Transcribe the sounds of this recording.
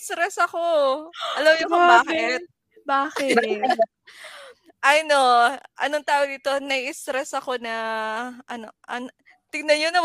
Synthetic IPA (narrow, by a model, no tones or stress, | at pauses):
st̪ɾɛsɐkoɐlɐmjokobaːkɪt̪̚ | baːkɪ | ʔɐjnoʔɐ̰noŋt̪aːwod̪iːt̪o̞nɐjɪst̪ɾɛsɐko̞nɐʔɐno̞ʔɐn | t̪ɪɡnɐnɲonɐ